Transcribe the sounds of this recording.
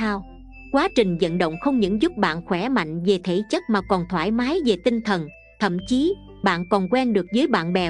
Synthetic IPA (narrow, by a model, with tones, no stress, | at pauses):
saː˧w | kwaː˨˦t͡ɕï˨˩ŋ̟zə̰˧˨nɗə̰˧˨wŋ͡mxə˧wŋ͡mɲɨ̰˧˥nzʊ˦˥p̚ɓa̰ː˧˨nxwɛ˧˩ma̰˧˨jŋ̟ve˨˩t̪ʰe˧˩t͡ɕə˦˥t̚maː˨˩kɔ˨˩nt̪ʰwaː˧˩jmaː˨˦jve˨˩t̪ï˧ŋ̟t̪ʰə˨˩n | t̪ʰə̰˧˨mt͡ɕi˨˦ | ɓa̰ː˧˨nkɔ˨˩nkwɛ˧nɗɨ˨˩ək̚zəː˨˦jɓa̰ː˧˨nɓɛ˨˩